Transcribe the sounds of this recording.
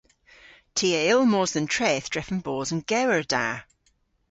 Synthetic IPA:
tʰiːəɪlˠmoːzðə̃ntʰɹ̥ɛːθd̥ɹɛfə̃nbɔːzə̃nɡ̥ɛwəɹda

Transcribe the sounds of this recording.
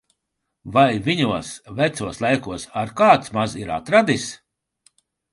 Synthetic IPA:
vajvʲiɲuɔsvæt̪suɔslˠajkuɔsaɾkaːt̪smaziɾa̰t̪ɾad̪is

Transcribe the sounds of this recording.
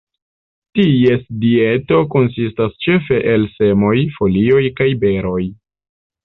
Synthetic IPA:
tie̞sdie̞to̞ko̞nsistast͡ʃe̞fe̞ʔelse̞mo̞jfo̞lio̞jkajbe̞ɾo̞j

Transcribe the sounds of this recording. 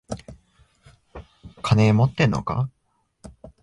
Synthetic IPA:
kʰane̞ːmo̞t̪ːẽ̞nːo̞̰ka̰

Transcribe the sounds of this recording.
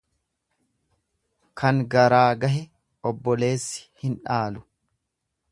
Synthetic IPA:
kɐŋɡɐɾaːɡɐɦɛ | ɔbːɔle̞ːsːɪ̥hɪnᶑaːlʊ̥

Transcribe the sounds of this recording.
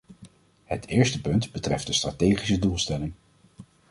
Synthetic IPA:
ɦətʰɪːɹstəpɵntbətrɛft̚dəstratejχisədulˠstɛlɪŋ

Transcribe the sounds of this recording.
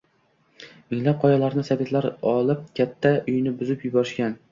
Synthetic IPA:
mɪŋlap̚qʰɒjɑlˠaɾnɪsabet̪laɾɒlˠɪp̚kʲʰat̪ʰːaʔʊjnɪbʊzɪpjʊbɒɾɪʃkʲan

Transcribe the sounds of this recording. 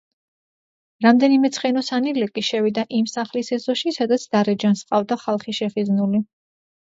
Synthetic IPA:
ɾamd̪ɛnimɛt̪sʰχɛnɔsanilɛkʼiʃɛvid̪aʔimsaχlisɛzɔʃisad̪at̪sʰd̪̥aɾɛd͡ʒansqʼavd̪aχalˠχiʃɛχiznuli

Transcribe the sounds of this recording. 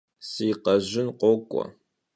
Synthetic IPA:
sijqɐʑɪnqʷʼɔkʷʼɔ̰

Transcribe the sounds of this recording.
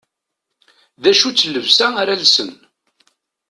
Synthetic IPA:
ðæʃut͡sːəlːəvsæaɾalsən

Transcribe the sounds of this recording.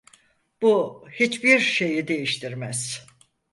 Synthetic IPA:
b̥uhit͡ʃbiɾʃe̞jid̪e̞jiʃt̪ʰiɾmæz̥

